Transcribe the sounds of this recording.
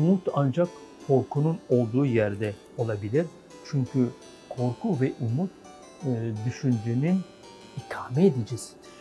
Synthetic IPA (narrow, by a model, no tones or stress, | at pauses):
umut̪ʰand͡ʒakkʰːo̞ɾkʰununo̞lˠd̪uːjæɾd̪ɛ | o̞lˠabilʲiɾ | t͡ʃʰyɲcʰy | kʰo̞ɾkʰuvɛʔumut̪̚ː | d̪yʃynd͡ʒynyn | ikʰaːmɛed̪id͡ʒiz̥